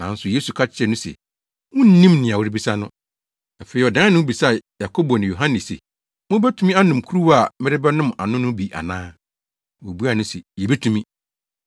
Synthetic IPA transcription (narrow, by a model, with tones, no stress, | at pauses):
nã˨n̩˦sʊ˨jeː˦su˨kʰa˦t͡ɕʰɪ˨˦ɛ˨nʊ̃˦sɛ̰˨ | wʊ̃˦n̩˦nĩ˦mnɪ̃˨a˨wʊ˦ɾɪ˦bi˦sa˦nʊ̃˦ | a˨fe˨˦i˨ɔ˨dã˦nʊ̃˦bi˨sa˦˨ja˨kʰo˦bɔ˨nɪ̃˨jo˨ɦã˦nɪ˨sɛ̰˨ | mʊ̃˦bɛ˦tʰu˦mĩ˦a˦nʊ̃˨mkʰu˦ɾu˦wa˨mɪ˦ɾɪ˦bɛ˦nʊ̃˦ma̰˨nʊ̃˦nʊ̃˦bi˨ʔa̰˨nãː˦ | wo˨bu˦a˨nʊ̃˦sɛ˨jɛ˨be˦tʰũ˨mĩ˦